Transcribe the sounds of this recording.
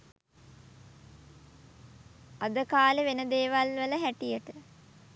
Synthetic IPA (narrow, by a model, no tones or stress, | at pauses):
ad̪əkaːleʋenəd̪eːʋalʋələɦæʈijəʈə